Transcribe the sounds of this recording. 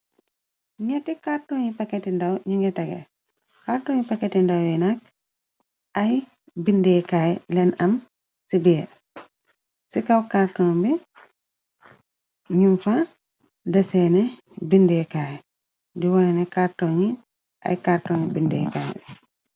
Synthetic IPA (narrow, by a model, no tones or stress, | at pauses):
ɲɛtikartɔɲipaketindawɲiŋɡɛtaɡɛ̰ | kaɾtɔːɲipaketindawjɛnak̚ | aj | bindɛkaːjɛlɛnɐm | sibiɛ | sikawkaɾtɔnbi | ɲumfa | dɛsɛːnɛ | bindɛkajɛ | diwɔnɛnɛkaɾtɔɲi | ʔa̰jkaɾtɔːnibindɛ̰ka̰ːjɛ̰